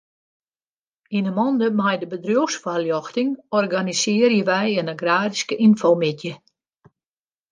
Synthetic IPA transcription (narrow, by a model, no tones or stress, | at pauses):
inəmɔndəmajdəbədrjuxsfaljɔxtɪŋɔrɡanisɪːərjəʋɛjənəɡraːdiskəʔinfowmɪtjə